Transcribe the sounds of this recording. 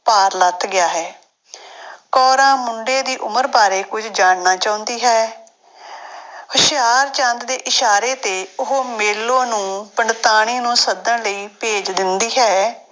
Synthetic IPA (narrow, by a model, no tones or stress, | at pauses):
paːɾlət̪ʰːɡɪjaːɦɛː | kɔːɾãːmʊɳɖeːd̪iːʔʊməɾbaːɾeːkʊd͡ʒd͡ʒaːɳnaːt͡ʃaːʊ̃nd̪iːɦɛː | hʊʃɪjaːɾt͡ʃə̃nt̪d̪eːʔɪʃaːɾeːt̪eːʊɦmeːlːõːnũːpəɳɖt̪aːɽ̃iːnũːsəd̪ənləiːpeːd͡ʒd̪ɪnd̪iːɦɛː